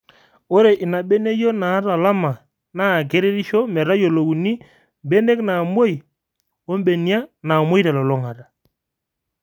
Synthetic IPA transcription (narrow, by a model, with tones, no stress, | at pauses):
o˦ɾe˨ʔɪ˨na˨ɓe˦ne˦jo˦na˨˦ɾa˨la˦ma˨ | na˦˨ɡe˦ɾe˦ɾi˦ʃɔ˦mɛ˨ɾa˦jo˨lo˨wu˨ni˦ | m˨be˦ne˦kna˨mo˦i˨ | o˦m˦ɓe˨ni˦a˦na˨mo˦i˦ɾa˨lɔ˨lɔ˦ŋa˨ɾa˨